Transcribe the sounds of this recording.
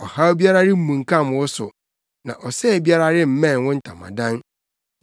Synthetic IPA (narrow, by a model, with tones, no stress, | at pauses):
ɔ˨ha˦bi˦a˦ɾa˦ɾɪ˦m̩˦mũ˨ŋ˨kʰã˦˨m˨ʊ˦sʊ˨ | nã̰˨ʔɔ˨sɛ˦˨bi˦a˦ɾa˦ɾɪ˦m̩˦mɛ̃˦˨n˨wʊ̃˦n̩˦˨tʰa̰˨mã̰˨dã˦n